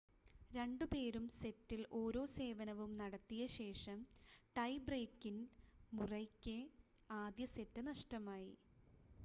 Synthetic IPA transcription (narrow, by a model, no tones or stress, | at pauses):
ɾe̞ɳɖupe̞ːɾumse̞tːilʔo̞ːɾo̞ːse̞ːʋɐnɐʋumnɐɽɐt̪ːijɐɕe̞ːʂɐmʈɐjbreːkːinmurɐjkʲːe | aːd̪jɐse̞tːɨnɐʂʈɐmaːjḭ